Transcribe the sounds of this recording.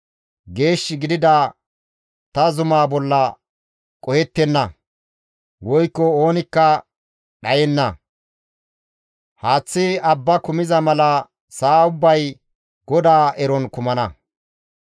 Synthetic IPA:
ɡe̞ːʃːɪɡɪd̪ɪd̪a | t̪ɐzʊmaːbɔlːɐ | kʼɔjɛt̪ːɛnːɐ | wɔjkːɔo̞ːnɪkːɐ | ɗɐjɛnːɐ | haːt͡sːɪɐbːɐkʊmɪzɐmɐlɐ | saːʊbːɐj | ɡɔd̪aːʔɛɾɔnkʊmɐnɐ

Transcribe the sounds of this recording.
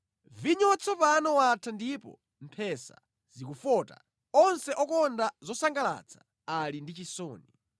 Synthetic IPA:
viɲɔwat͡sʰɔpanɔwatʰandipɔ̰ | m̩pʰɛsa̰ | z̥ikufɔːta̰ | ɔnsɛʔɔkɔndazɔsaŋɡala̰t͡sʰḁ | alindit͡ʃisɔːni

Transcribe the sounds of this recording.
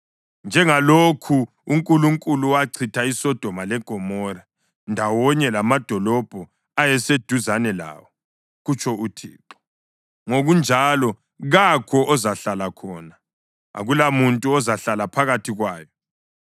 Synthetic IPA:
nd͡ʒʱɛŋalokʰuː | ŋkʼuluŋkʼuluwaǀʰitʰaisɔd̥ʱɔmalɛɡ̥ʱɔmɔɾa | ndʱawɔɲɛlamad̥ʱɔlɔb̥ʱɔ | ajɛsed̥ʱuzanɛla̰ːwɔ | ɣut͡ʃʰɔutʰḭːǁɔ̥ | ŋoɣund͡ʒʱalɔ | ɣakʰɔʔɔzaɬalakʰɔːna | a̰ɣulamuntʼuɔzaɬalapʰaɣatʰiɣwaːjɔ

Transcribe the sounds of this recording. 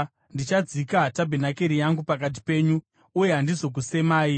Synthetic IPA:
ndit͡ʃad͡zikatabʱenake̞ɾijaŋɡupak̬at̬i̥pe̞ːɲuː | je̞ɦandizo̞k̬use̞maːi

